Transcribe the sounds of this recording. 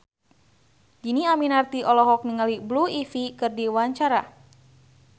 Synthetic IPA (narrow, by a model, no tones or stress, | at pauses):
d͡ʒiniaminart̪iʔɔlɔɦɔk̚niŋalibluifikɨrdiwaɲt͡ʃaɾa̰